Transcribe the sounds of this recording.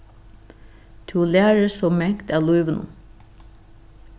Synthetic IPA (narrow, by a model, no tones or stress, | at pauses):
t̪ʰuːlæːɹəsɔmɛkt̪æːluʏʋənṵ